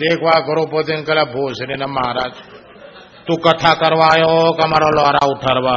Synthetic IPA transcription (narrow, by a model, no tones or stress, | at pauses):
eːkʋaɡəɾupət̪inkəlabʱosɾinɛməɦɾaːd͡ʒ | t̪ũkət̪ʰakəɾʋajokəmaɾalaɾauʈʰaɾʋa